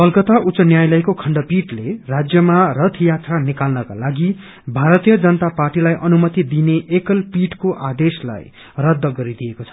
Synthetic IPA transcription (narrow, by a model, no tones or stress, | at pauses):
pʌlkʌt̪aʔusʌnjajlʌjkokʰʌɳɖʌpiʈlerad͡zjʌmarʌt̪ʰjat̪ranikalnʌka̰laɡi | bʱaɾʌt̪ijʌd͡zʌnʌt̪aparʈilajʔʌnumʌt̪id̪ineʔekʌlpiʈkoʔad̪esla̰j | rʌd̪ʱːʌɡʌɾid̪ijekot͡sʰʌ̥